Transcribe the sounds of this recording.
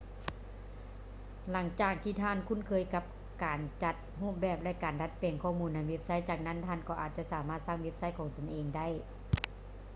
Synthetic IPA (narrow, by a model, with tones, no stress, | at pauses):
la˩˦ŋt͡ɕaː˨˩k̚t̪ʰiː˧˩t̪ʰaː˧˥˨nkʰu˧˥˨nkʰɤː˧˨jka˧p̚ | kaː˨˩nt͡ɕa˧t̪̚huː˥˩˨m̚bɛː˧˩p̚lɛ˧˥ʔkaː˨nda˧˥t̪̚peː˨nkʰɔː˧˩muː˧nːa˧˩we˦˧˥p̚sa˦˥˨jt͡ɕaː˨˩k̚na˧˥˨nt̪ʰaː˧˨nkɔː˧ʔaː˨˩t̪̚t͡ɕa˧˨ʔsaː˨˦maː˧˥˩t̪̚saː˧˥˨ŋwe˦˧˥p̚sa˧˥˨jkʰɔː˨˦ŋt̪o˨nʔeː˨ŋda˥˩˨j